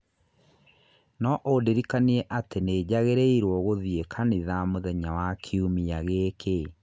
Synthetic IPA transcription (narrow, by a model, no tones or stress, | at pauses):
nɔʔodeɾikaniɛʔatened͡ʑaɣeɾeiɾwɔɣoðiekʰaniðamoðɛɲawakʰiumiaɣekʰe